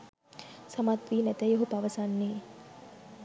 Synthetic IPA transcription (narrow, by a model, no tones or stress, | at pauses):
samat̪ʋiːnɛt̪ɐjoɦut̪aʋɐsanːeː